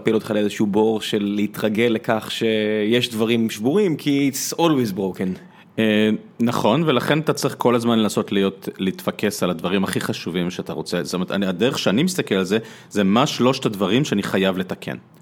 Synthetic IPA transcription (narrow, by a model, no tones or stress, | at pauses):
pilo̞t̪χalezeʃuubo̞ʁʃelːeit̪ʁaɡelːekaχʃejeʃdvaʁimʃbuʁimkʰiːtsolwizbʁoken | e | naχo̞nvelaχe̞nat̪at͡sʁiχkʰo̞lazmanlenaso̞tlijo̞tliit̪fake̞saladvaʁimaχiχaʃuvimʃeata̰ʁo̞t͡setometa̰nadeʁeχʃeanimist̪akelalze | zemaʃlo̞ʃt̪advaʁimʃeaniχajavle̞t̪akʰḛn